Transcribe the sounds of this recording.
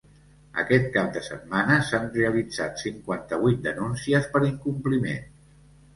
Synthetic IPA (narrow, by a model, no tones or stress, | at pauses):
ə̰kɛt̪̚kap̚d̪əsə̰t̪̚manəsanreəlid͡za̰t̪siŋkwant̪əβut̪̚d̪ənunsiəspəɾiŋkumplimḛn